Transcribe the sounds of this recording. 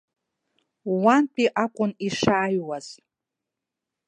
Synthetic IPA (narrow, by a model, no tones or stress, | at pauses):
wantʰʼiʔakʷʼʊniʂaːjwaz̥